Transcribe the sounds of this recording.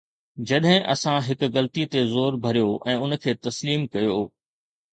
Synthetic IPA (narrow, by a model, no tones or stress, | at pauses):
d͡ʑɐɗɦɪ̃ʔɐsãɦɪkʊɣɐlt̪it̪ezoːɾbʱɐɾijoʔɛ̃ːʊn̆kʰeːt̪ɐsliːmkɐjooː